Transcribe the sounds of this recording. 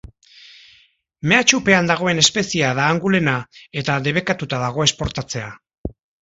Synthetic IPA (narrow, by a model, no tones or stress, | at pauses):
me̞at͡ʃupe̞and̪aɣ̞o̞e̞ne̞spe̞siaðaːŋɡule̞nae̞t̪aðe̞β̞e̞kat̪ut̪aðaɣ̞o̞e̞spo̞ɾt̪at͡se̞a